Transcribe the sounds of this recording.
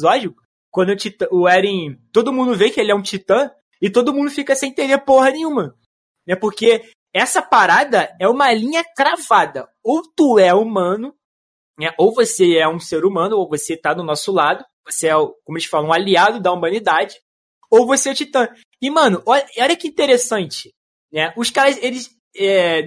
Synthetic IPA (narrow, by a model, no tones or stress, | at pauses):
zɔd͡ʒiʊ | kwɐ̃nd̪ʊt͡ʃit̪ɐ̃ʊɛɾĩt̪od̪ʊmũd̪ʊvekɪelɪɛũt͡ʃit̪ɐ̃ | ɪt̪od̪ʊmũd̪d̪ʊfikɐsẽj̃t̪ẽɾepoɦɐnẽj̃ũmɐ | nɛpoɾke | ɛsɐpaɾad̪ɐɛũmɐlĩɲɐkɾavad̪ɐowt̪uɛumɐ̃nʊ | nɛʔowvoseɛũseɾumɐ̃nʊowvoset̪anʊnɔsʊlad̪ʊvoseɛʊkõmʊelɪsfalɐ̃aliad̪ʊd̪ɐumɐ̃nid̪ad͡ʒɪ | owvoseɛʊt͡ʃit̪ɐ̃ | ɪmɐ̃nʊʔɔʎɐɔʎɐkɪĩt̪eɾesɐ̃nt͡ʃɪ̥ | nɛʊskaɾɐzelɪs | ɛ